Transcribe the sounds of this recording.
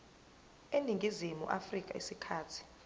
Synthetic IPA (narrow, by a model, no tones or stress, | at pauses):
eniŋɡʱizimṵʔafrikʼaḭsikʰaːtʰi̥